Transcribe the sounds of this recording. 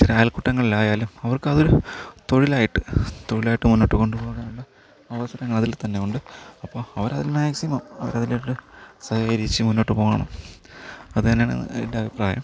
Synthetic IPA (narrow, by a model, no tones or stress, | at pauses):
t͡ɕiɾeaːjlkuʈːɐŋːɐɭilaːjaːlumɐʋɐrkɨɐðoɾut̪o̞ɻilaːjiʈːɨt̪o̞ɻilaːjiʈːɨmunːo̞ːʈːɨko̞ɳɖupoːɣɽeuɳɖɨ | ɐʋɐsɐɾɐŋːɐɭɐðilt̪ɐnːe̞uɳɖɨɐpːoːɐʋɐɾɐðilmaːksimɐmɐʋɐ̰ɾɐðileʈːɨsɐhɐɾit͡ɕːɨmunːo̞ːʈːɨpo̞ːɣɐɐɳɐ̰m | ɐðɨɐnːeaːɳ̰enːeɐbʱipraːjɐ̰m